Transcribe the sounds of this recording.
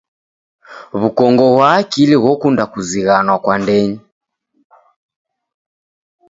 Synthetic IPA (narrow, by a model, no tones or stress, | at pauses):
βukɔŋɡɔɣwaːkiliɣɔkundakuziɣanwakwandɛɲi